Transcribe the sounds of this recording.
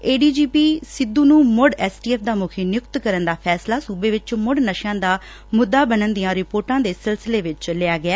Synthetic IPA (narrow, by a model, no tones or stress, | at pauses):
eːɖiːd͡ʒiːpiːsɪd̪ːuːnũːmʊɖɛːsʈiːɛːpʰd̪aːmʊkʰeːnɪjʊk̚t̪kəɾənd̪aːpʰɛːslaːsuːbeːʋɪt͡ʃmʊɖnəʃãːd̪aː | mʊd̪ːaːbənənd̪ɪjãːɾɪpoːɾʈãːd̪eːsɪlsɪleːʋɪt͡ʃlɪaːɡɪaː